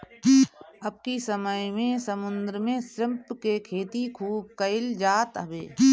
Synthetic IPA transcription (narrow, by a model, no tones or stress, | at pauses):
ɐb̚kisəməjmẽsɐmʊ̃nd̪ɾəmẽsɾɪmpkekʰeːt̪ikʰuːb̚kəɪld͡ʒaːt̪ɐbḛː